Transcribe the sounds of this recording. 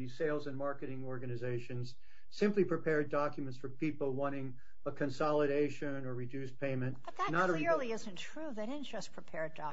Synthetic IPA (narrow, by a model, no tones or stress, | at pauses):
iseɪlˠzɨ̃nmɑɹkɨɾɪ̃ŋɔɹɡɨnɨzeɪʃɨ̃nz̥ | sɪ̃mplipʰɹ̥ɨpʰɛɹdɑkjmɨ̃ntsfə˞pʰipl̩ˠwɑ̃ɾ̃ɪ̃ŋ | əkʰɨ̃nsɑlˠəɾeɪʃɨ̃nə˞ɹɨdʉspʰẽɪ̃mɨ̃n | ðənəɾəlɪɹlˠiɪz̃ntʰɹ̥uðɨɾɪn̩ʒ̥ʌspʰɹ̥ipʰɛɹd̚dɑ